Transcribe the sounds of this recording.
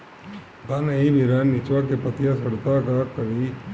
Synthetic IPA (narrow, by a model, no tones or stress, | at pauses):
d̪aniʋiɾanːit͡ʃʋakepət̪jasəɽt̪akakəɾi